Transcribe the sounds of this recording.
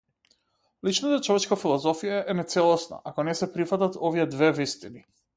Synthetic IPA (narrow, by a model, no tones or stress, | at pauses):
lit͡ʃnat̪at͡ʃɔvɛt͡ʃkafilˠɔzɔfijaʔɛnɛt̪sɛlˠɔsna̰ʔakɔnɛsɛpɾifat̪at̪ɔviɛd̪vɛvist̪ini